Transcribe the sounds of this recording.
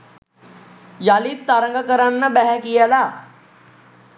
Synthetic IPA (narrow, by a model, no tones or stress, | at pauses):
jalit̪ːaɾəŋɡakəɾanːəbæɦɛkijəla